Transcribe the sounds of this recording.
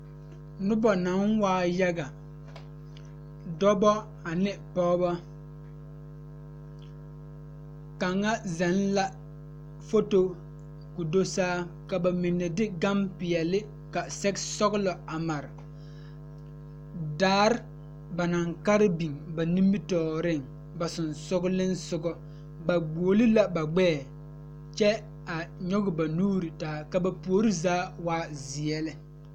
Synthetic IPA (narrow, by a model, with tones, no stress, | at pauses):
nʊ˦bɔ˨na˨˦ŋwaː˦ja˦ɡa˨ | dɔ˦bɔ˦ | a˨nɪ˦pɔː˦bɔ˦ | ka˨ŋa˦zɛ˨˦n˦la˦ | fo˦to˦ | ku˨do˦saː˦ | ka˨ba˨mɪ˨nːɛ˨dɪ˦ɡa˦mpɪ˨ɛ˨lɪ˦ | ka˨sɛ˦ksɔ˦ɡlɔ˨a˨ma˨ɾɪ˨ | daː˦ɾɪ˦ | ba˨na˨ŋka˦ɾɪ˦bi˨ŋba˨nĩ˦mbɪ˦tɔː˨ɾɪ˦˨ŋ | ba˨sʊ˨nsʊ˦ɡʊ˦lɪ˦n˦sʊ˦ɡɔ˦ | ba˨ɡ͡buː˨lɪ˦la˨ba˨ɡ͡bɛː˦˨ | t͡ʃɛ˦ | a˨ɲɔ˦ɡɪ˨ba˨nuː˦ɾi˨taː˨˦ka˨ba˨pu˨o˨ɾi˦zaː˦waː˦zɪ˨ɛ˦lɪ˦